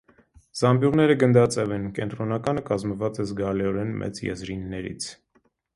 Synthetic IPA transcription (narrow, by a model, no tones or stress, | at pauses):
z̥ɑmbjuʁnɛɾəɡənd̪ɑt͡sɛvɛnkɛnt̪ɾɔnɑkɑnəkɑzməvɑt͡sɛzɡɑlɛɔɾɛnmʔɛ̰t͡sjɛ̰zɾinːɛɾḭt͡sʰ